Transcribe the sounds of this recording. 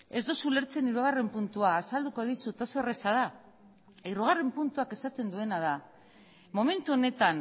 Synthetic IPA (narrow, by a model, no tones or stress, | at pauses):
e̞zd̪osule̞ɾt͡se̞niɾuɣ̞are̞mpunt̪uaːsald̪uko̞ðisut̪asuere̞sað̞a | eɾuɣ̞are̞mpunt̪uake̞sat̪e̞nd̪ue̞nað̞a | mo̞me̞nt̪uo̞ne̞t̪an